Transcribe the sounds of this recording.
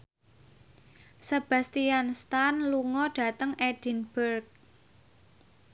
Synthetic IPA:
səb̥a̤st̪ianst̪anluŋɔɖ̥a̤t̪əŋed̥i̤nb̥ərk̚

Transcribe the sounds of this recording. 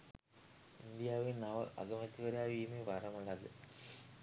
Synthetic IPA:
ind̪ijaːʋinɐʋɐʔɐ̰ɡɐmɐt̪ːiʋɐɾaːʋiːmeʋɐrɐmuɭːɐðɨ

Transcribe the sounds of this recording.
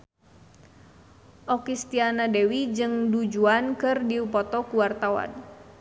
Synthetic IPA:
ʔɔkist̪ianadɛwid͡ʒɨŋdud͡ʒuankɨrdiupɔt̪ɔkuwart̪awa̰n

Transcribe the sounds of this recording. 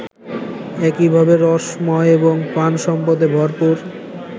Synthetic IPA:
ɛkibʱabeɾɔʃmɔeeboŋpanʃɔmpod̪ebʱɔɾpuɾ

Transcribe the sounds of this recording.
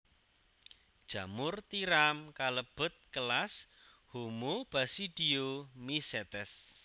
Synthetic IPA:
d̥ʒ̥a̤mʊrt̪iɾamkaləb̥ʊ̤t̪̚kəlas | homob̥a̤siɖ̥iomisɛt̪ɛs

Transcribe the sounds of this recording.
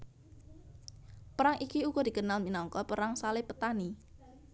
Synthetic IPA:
pəɾaŋʔikiukɔd̥̪i̤ɡənalminɔŋkɔpəɾaŋsalɪpət̪ani

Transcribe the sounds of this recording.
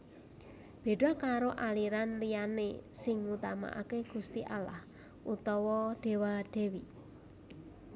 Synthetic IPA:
b̥e̤ɖ̥a̤kaɾoʔaliɾanlijanḛsɪŋut̪ama̰ʔa̰keɡ̥ṳst̪iʔala̰h | ʔut̪ɔwɔɖ̥e̤waɖ̪̥e̤wi

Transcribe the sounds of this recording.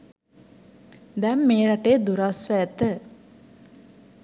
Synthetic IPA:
d̪ɛmːeːɾɐʈeːd̪uɾasʋæt̪ə

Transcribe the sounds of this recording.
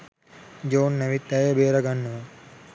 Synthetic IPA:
d͡ʒoːnːɐʋit̪ːɐjɐbeːɾɐɡɐnːuʋɐ

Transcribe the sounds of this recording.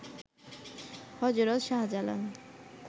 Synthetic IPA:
hɔd͡ʑoɾot̪ʃaɦad͡ʑalo̰n

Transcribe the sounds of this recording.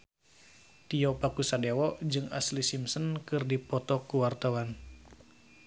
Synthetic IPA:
t̪iɔpakusadewɔʔd͡ʒɨŋaslisimsənkɨrdipɔt̪ɔkuwart̪awan

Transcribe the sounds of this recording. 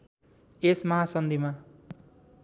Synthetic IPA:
esmʌɦasʌnd̪ima

